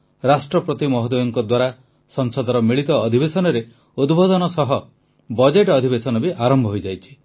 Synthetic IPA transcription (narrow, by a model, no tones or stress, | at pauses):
ɾasʈɾɔpɾɔt̪imɔɦɔd̪ojɔŋkɔd̪waɾa | sɔŋsɔd̪ʱɔɾɔmiɭit̪ɔːd̪ʱibesɔnɔɾe | ud̪bʱod̪ɔnɔsɔɦɔ | bɔd͡ʒeʈɔd̪ʱibesɔnɔbiʔaɾɔmbʱɔɦojd͡ʒajt͡ʃʰi̥